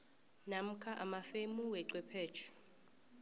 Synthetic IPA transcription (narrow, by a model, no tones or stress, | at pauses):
nam̩kʰaʔamafemuwɛǀwɛpʰɛːt͡ʃʰɛ̥